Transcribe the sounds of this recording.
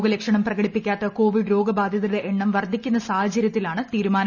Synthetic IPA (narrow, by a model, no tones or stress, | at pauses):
ɡɐlekʂɐɳɐmprɐɣɐɽipːikʲːaːt̪ːɐko̞ːʋiɖɾo̞ːɡɐbaːd̪ʱjɐðiɽeʔeɳːɐmʋɐrd̪ʱikʲːunːɐsaːhɐt͡ɕːɐɾjɐt̪ːilaːɳɨt̪iːɾumaːn